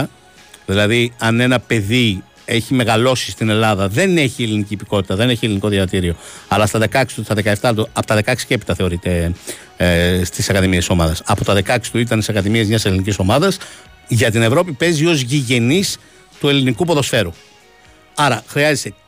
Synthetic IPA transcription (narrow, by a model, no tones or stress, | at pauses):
ðilɐðiɐne̞nɐpe̞ði | e̞çime̞ɣɐlo̞si̥st̪ine̞lɐðɐðe̞ne̞çieliniciːpiko̞t̪i̥t̪ɐðe̞ne̞çie̞liniko̞ðjɐvɐt̪iɾio̞ɐlɐst̪ɐðe̞kɐksi̥t̪uisɐðe̞kɐeft̪ɐt̪uɐpot̪ɐðe̞kɐksi̥ce̞pi̥t̪ɐθe̞o̞ɾit̪e̞ | st̪isɐkɐðimieso̞mɐðɐsɐpo̞t̪ɐðe̞kɐkst̪uit̪̬ɐnt̪isɐkɐðimiɐzmɲɐse̞liniciso̞mɐðɐs | ʝɐt̪ine̞vɾo̞pipe̞zio̞zʝiʝe̞nis | t̪ue̞linikupo̞ðo̞sfe̞ɾu | ɐɾɐxɾiɐzese̞